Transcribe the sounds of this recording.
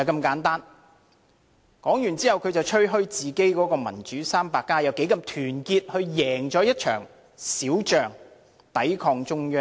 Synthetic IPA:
ɐ˨jkɐ˧mkaː˨˥nt̪aː˥n | kɔː˨˥ŋjy˨˩nt͡siː˥hɐ˨wkʰɵ˨˧ɥt͡sɐ˨wt͡ʃʰɵ˥ɥɦɵ˥ɥt͡siː˨ke˥jkɔː˨˥kɔː˧mɐ̰˨˩nt͡ʃyː˨˥saː˥mpaː˧kːaː˥jɐ˨˧wke˨˥jkɐ˧mt̪ʰyː˨˩nkiː˧t̚hɵ˧ɥjɛː˨˩ŋt͡sɔː˨˥jɐ˥t̚t͡ʃʰœ̰ː˨˩ŋ | siː˨˥wt͡ʃœː˨ŋ | t̪ɐ˨˥jkʰɔː˧ŋt͡sʊ˥ŋjœː˥

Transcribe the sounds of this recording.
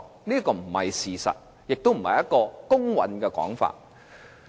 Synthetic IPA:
niː˥kɔː˧m̩˨˩hɐ̰˨jsiː˨sɐ̰˨t̚ | jɪ˨k̚t̪o˥wm̩˨˩hɐ̰˨jɐ˥t̚kɔː˧kʊ˥ŋwɐ̰˨˥nkɛː˧kɔ̰ː˨˥ŋfa̰ː˨t̚

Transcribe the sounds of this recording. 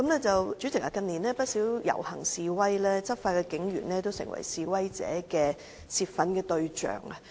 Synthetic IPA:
kɐ˨˥mlɛː˥t͡sɐ˨wt͡sy˨˥t͡sɪ˨˩klaː˨˩kɐ˧niː˨˩nlɛː˥pɐ˥t̚siː˨˥wjɐ̰˨˩whɐ˨˩ŋsiː˨˧wɐ˥jlɛː˥t͡sɐ˥p̚faː˧kɛː˧kɪ˨˥ŋjy̰ː˨˩nlɛː˥t̪o˥wsɪ̰˨ŋwɐ̰˨˩jsiː˨˧wɐ˥jt͡sɛ̰ː˨˥kɛː˧ | siː˧t̚fɐ˨˥nkɛː˧t̪ɵ˧ɥt͡ʃœ̰ː˨˩ŋɐ˧

